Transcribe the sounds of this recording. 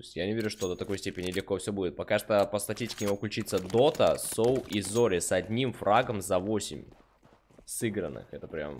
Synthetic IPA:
osʲtʲjanʲɪvʲeɾʲʊʂt̪o̞d̪ət̪ɐko̞jsʲtʲepʲɪnʲɪlʲɪxko̞fsʲobudʲɪt̪̚pɐkaʂt̪əpəst̪ɐtʲisʲtʲɪ̥kʲɪnʲɪmuklʲʉt͡ɕit̪səd̪o̞t̪əsowʔizoɾʲɪsɐdʲnʲimfɾaɡəmzɐvo̞sʲɪ̰mʲ | sɨɡɾənːɨ̰xɛt̪əpɾʲa̰m

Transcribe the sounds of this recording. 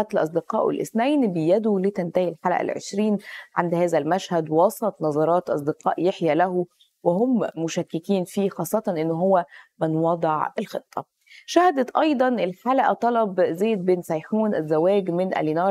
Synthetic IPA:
æt̪lʔɑsˤd̪ɪqɑ̰ːʔwɪ̰lʔɪ̰snæjnbɪjæd̪ulit̪ænt̪æhilħalæ̰ʔæ̰lʕḛʃɾiːnʕand̪hæːzælmæʃhæd̪wɑsˤɑt̪ˤnɑzˤɑɾˤɑːt̪ʔɑ̰sˤd̪ɪqɑ̰ːʔjeħjælæh | wɪɦommʊʃækːɪkiːnfiːxɑːsˤːɑt̪ɑnʔɪnːʊɦowːæmɪnwɑd̪ˤɪʕelxet̪ˤʰːɑ̰ | ʃæhd̪æt̪ʔɑjd̪ˤɑnʔɪlħalæʔæ̰t̪ˤɑlɑbzæːt̪̚beːnsɑjħuːnʔæzːæwæːɡmɪnʔæ̰linɑːɾ

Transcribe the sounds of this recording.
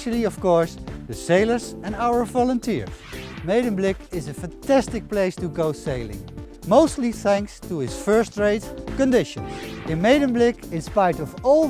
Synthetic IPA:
ʃlˠiʌv̥kɔɹsðɨseɪlˠə˞zɨ̃naʊə˞vɑlˠə̃ntʰiɹzmeɪɾə̃nblɪkɪzɨfæ̃ntæstɨk̚pleɪstɨɡoʊseɪlɪ̰̃ŋ | moʊstˡliθæ̃ŋkstuɪsfɜ˞stɹeɪtkɨ̃ndɪʃɨ̃nɪ̃nmeɪɾɨ̃nblɪkɪ̃nspaɪɾʌvɔl

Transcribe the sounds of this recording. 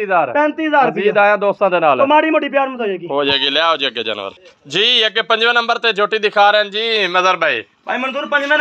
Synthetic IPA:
iɦzaːɾpɛ̃ːnt̪iːɦəzaːɾbiiːd̪aːjãːd̪oːst̪ãːd̪eːnaːlmaːɾiːmoɖiːp̬ɪjaːɾməsoːd͡ʒeːɡiːɦoːd͡ʒaːɡiːljaːɦoːd͡ʒeəɡeːd͡ʒa̰ːnʋə̰ɾd͡ʒiːəɡeːpəɲd͡ʒʋə̃ːnəmbəɾt̪eːd͡ʒoːʈːiːd̪ɪkʰaːɾɛnd͡ʒiːməzəɾbʱaːḭː | pa̰ːiːmənzuːɾpəɲd͡ʒʋə̃

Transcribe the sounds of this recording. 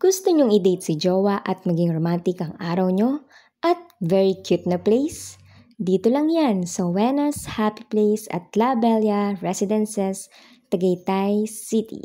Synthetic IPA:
ɡ̥ʊst̪oɲoŋɪd̪ejt̪sɪd͡ʒowɐʔɐt̪̚mɐɡiŋɾomant̪ɪkɐŋʔaːɾɐwɲo̞ | ʔɐt̪̚vɛɹikʰjʊt̪̚nɐplejs | d̪iːt̪olɐŋjansɐwɛnɐshapi̥plejsɐ̰t̪̚labɛljɐɹɛsɪd̪ɛnsɛs | t̪ɐɡɐjt̪ajsit̪ḭ

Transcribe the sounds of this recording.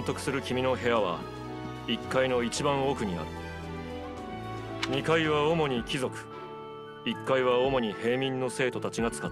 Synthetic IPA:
nt̪o̞kɯ̟̥sɨɾɯ̟kʲimʲino̞ɦe̞aβa̰ | ikːaino̞it͡ɕibãɰ̃o̞ːkɯ̟ɲ̟ina̰ɾɯ̥ | ɲ̟ikaiβao̞mo̞ɲ̟ikʲizo̞kɯ̟̥ | ikːaiβaomo̞ɲ̟ihe̞ːmʲĩnːo̞se̞ːt̪o̞t̪at͡ɕiŋat͡sɨ̥kat̪ː

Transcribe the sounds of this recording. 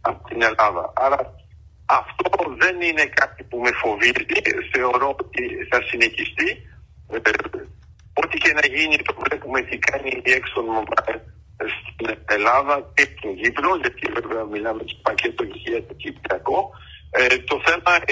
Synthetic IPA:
ɐpot̪ine̞lɐðɐ̰ʔɐɾɐ | ɐft̪o̞ðe̞nine̞kɐt̪ipumefo̞viziθe̞o̞ɾo̞ot̪iθɐsineçist̪i | ot̪ice̞nɐʝinit̪o̞vle̞pumet̪ikɐniðieksonmobɐ̰l | st̪inelɐðɐcet̪inʝiplo̞ʝɐt̪iveveɐmilɐmece̥pɐcet̪oiçiɐt̪ucipliɐko | t̪o̞θe̞mɐ

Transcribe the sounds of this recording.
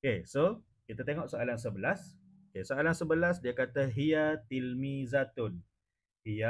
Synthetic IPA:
keso | kit̪at̪eŋɔʔsoalans̬əbəlas | okesoalansəbəlasdiakat̪aɦiat̪ilmĩzat̪ʊn | hia

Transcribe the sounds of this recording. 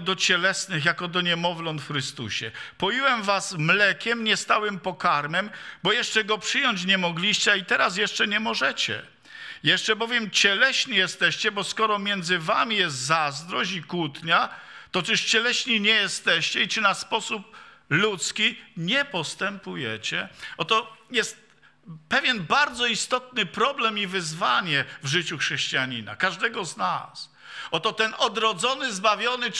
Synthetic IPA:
d̪ɔt͡ɕɛlɛsnɘxjakɔd̪ɔɲɛmɔvlɔnt̪fxɾɘst̪ṵɕɛpɔjiwɛmvasmlɛkʲɛmɲɛst̪awɘmpɔkaɾmɛmbɔjɛʂt͡ʂɛɡɔpʂɘjɔɲt͡ɕɲɛmɔɡlʲiɕt͡ɕɛait̪ɛɾas̬jɛʂt͡ʂɛɲɛmɔʐɛt͡ɕɛ̰ | jɛʂt͡ʂɛbɔvʲjɛmt͡ɕɛlɛɕɲijɛst̪ɛɕt͡ɕɛbɔskɔɾɔmʲjɛnd̪zɘvamʲijɛs̬t̪zazd̪ɾɔɕikwut̪ɲat̪ɔt͡ʂɘʂt͡ɕɛlɛɕɲiɲɛjɛst̪ɛɕt͡ɕɛit͡ʂɘnaspɔsup̚lut̪skʲiɲɛpɔst̪ɛmpujɛt͡ɕɛʔɔt̪ɔjɛst̪̚ | pɛvʲjɛnbaɾd̪zɔist̪ɔt̪nɘpɾɔblɛmivɘzvaɲɛvʐɘt͡ɕuxʂɛɕt͡ɕijaɲina̰kaʐd̪ɛɡɔzna̰s | ɔt̪ɔt̪ɛnʔɔd̪ɾɔd̪zɔnɘzbavʲjɔnɘ

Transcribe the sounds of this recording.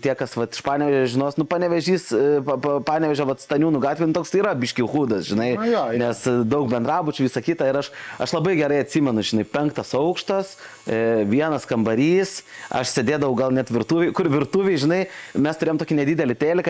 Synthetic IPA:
t̪ʲiɛkɐsʋɐt̪ɪ̥ʃpɑːnʲɛʋʲɛʒʲɛʒʲɪnoːsnʊpɑːnʲɛʋʲɛʒʲiːspɐpɐpɑːnʲɛʋʲɛʒʲoʋɐt̪st̪ɐnʲuːnʊɡɑːt̪ʲʋʲɛɪnʊt̪oːkst̪iːɾɐbʲɪʃʲkʲixuːd̪ɐsʒʲɪnɐɪjoːnʲɛsd̪ɐʊk̚bʲɛnd̪ɾɑːbʊt͡ʃʲʊʋʲiːsɐkʲɪt̪ɐɪɾɐʃɐʃlˠɐbɐɪɡʲɛɾɐɪɐt̪ʲsʲiːmʲɛnʊʒʲɪnɐɪpʲɛŋkt̪ɐsɐʊkʃt̪ɐs | ʋʲiɛnɐskɐmbɐɾʲiːsɐ̰ʃsʲeːd̪ʲeːd̪ɐʋɐʊɡɐlˠnʲɛt̪ʋʲɪrt̪uːʋʲɛɪkʊɾʋʲɪrt̪uːʋʲeɪʒʲɪnɐɪmʲɛst̪ʊɾʲeːomt̪oːkʲinʲɛd̪ʲiːd̪ʲɛlʲɪt̪ʲeːlʲɪk

